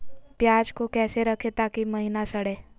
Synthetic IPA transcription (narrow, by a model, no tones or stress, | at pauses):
pjaːd͡ʒkokɛːseɾəkʰet̪aːkiməɦinasəɽeː